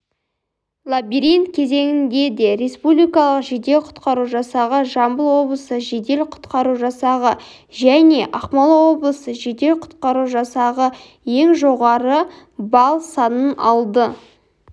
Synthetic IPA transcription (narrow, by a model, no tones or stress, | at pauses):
lˠabiɾijnt̪̚kʲʰe̞ze̞ŋɪnd̪e̞d̪e̞ɾe̞spublijkɑlˠəqʒed̪e̞lqʰʊ̥t̪qɑɾuʒɑsɑʁəʒɑmbəlˠwo̞blˠəsəʒed̪e̞lqʰʊ̥t̪qɑɾuʒɑsɑʁə | ʒæne̞ʔɑqmɑlˠwo̞blˠəsəʒed̪e̞lqʰʊ̥t̪qɑɾuʒɑsɑʁə | je̞ŋʒo̞ʁɑɾə | bɑlˠsɑnənɑlˠd̪ə